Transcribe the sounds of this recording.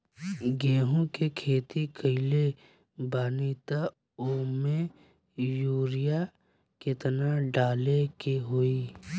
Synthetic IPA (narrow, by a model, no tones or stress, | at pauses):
ɡeːɦõkekʰeːt̪ikʰəɪle | baːniːt̪a | oːmẽ | juːɾɪja | kɪt̪naɖaːlekeɦoiː